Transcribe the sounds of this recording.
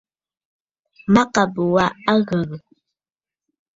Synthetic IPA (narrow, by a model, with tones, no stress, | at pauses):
ma˦ka˨bə˨wa˦a˦ɣə˨ɣ